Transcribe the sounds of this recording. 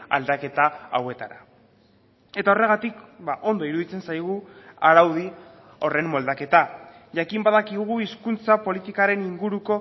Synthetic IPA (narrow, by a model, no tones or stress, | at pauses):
a̰ld̪ake̞t̪aːwe̞t̪aɾa | e̞t̪ao̞re̞ɣat̪ikbaʔo̞nd̪o̞iɾuðit͡se̞nsajɣ̞uaɾawði | o̞re̞mːo̞ld̪ake̞t̪a | ʝakimbaðakiɣ̞uiskunt͡sapo̞lit̪ikaɾe̞niŋɡuɾuko̞